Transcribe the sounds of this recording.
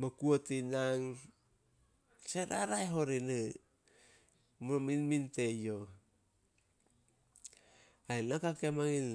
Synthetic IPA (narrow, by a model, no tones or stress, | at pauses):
makuatinaŋ | seɾaɾajɦoɾinɯ | mominmintejo | aenakakemaŋin